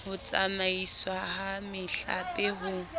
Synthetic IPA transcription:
hʊt͡sʼamaiswahamɪɬa̰pɪɦʊ

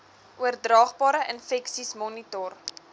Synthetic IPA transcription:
ʔuərdrɑːχbɑːɾəʔənfɛksismɔnitɔr

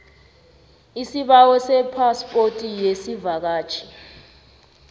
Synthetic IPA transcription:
isiɓawɔsɛpʰaspʼotʼijesivak̬aːt͡ʃʰʼi̥

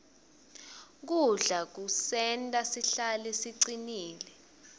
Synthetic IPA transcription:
k̬uɮak̬usɛntʼasiɬalɛsiǀiniːlɛ

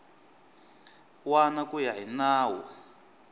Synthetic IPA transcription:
wanakʼujaɦinaːwɔ

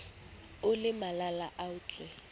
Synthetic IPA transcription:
ʊlɪmalalaʔaʊt͡ɬɛ

